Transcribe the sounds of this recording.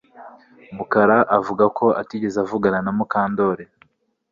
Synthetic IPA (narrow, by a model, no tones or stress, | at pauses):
mukaɾaʔavuɡako̞a̰tiɟe̞zavuɡananamukaːndo̞ɾe